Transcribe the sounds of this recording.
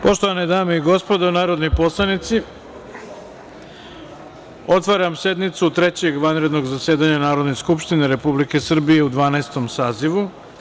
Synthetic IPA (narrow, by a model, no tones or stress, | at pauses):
po̞ʃt̪oʋaned̪aːme̞iɡo̞spo̞d̪aunaːɾo̞d̪nojpo̞slˠanit̪si | o̞t̪ʋaɾamsje̞d̪nit̪sut̪ɾe̞t͡ɕe̞ɡʋanɾe̞d̪no̞ɡzasje̞ːd̪aɲanaːɾo̞d̪neskupʃt̪ineɾe̞publike̞sr̩bije̞ud̪ʋaːnaest̪o̞msaːziʋu